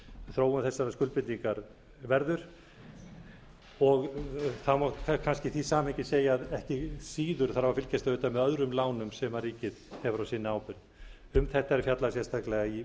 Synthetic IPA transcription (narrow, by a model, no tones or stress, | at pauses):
θɾoːwʏmθɛsːaɾaskʏlpɪliŋkaɾ | vɛɾðʏɾ̥ | ɔɣθamɔkʰakʰanscɪθisaːmhɛɲcɪseːjaːðɛhcɪsiːðʏɾ̥θaɾavaɾfɪlcɛst̪aʏːt̪amɛðœðɾʏmlaːwnʏmsɛmvariːcɪðhɛvɾawsiːnɪaːwpɪɾ | ʏmθɛht̪ːaɛɾfjat̪lasjɛ̥st̪ʰaklɛɣai